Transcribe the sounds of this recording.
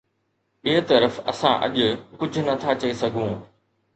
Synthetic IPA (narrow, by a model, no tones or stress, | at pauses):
ɪɦɪt̪ɐɾəfɐ̰sãʔɐ̰ʄʊ̆kʊd͡ʑʱʊ̆nɐt̪ʰat͡ɕɐisɐɡʱũː